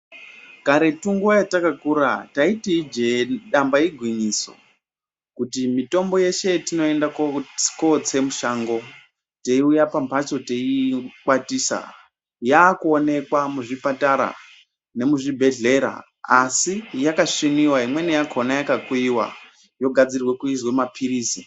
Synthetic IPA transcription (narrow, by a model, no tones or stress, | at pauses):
kaɾe̞tuŋɡojatakakuɾataitiid͡ʒeɗambaiɡʱwiɲiso̞̰ | kutimito̞mbo̞je̞ʃe̞tino̞e̞ndakko̞t͡se̞muʃaːŋɡo̞ | teiujapampat͡ʃo̞teikwatiːsa̰ | jaːkuone̞kwamuʐipataɾa̰ | ne̞muʐibʱe̞ɮe̞ɾa̰ | asijakaʂiniwaɦimwe̞nejakʰonajakakwiwa̰ | jo̞ɡʱad͡zirwe̞kuizwemapʰiɾiːsi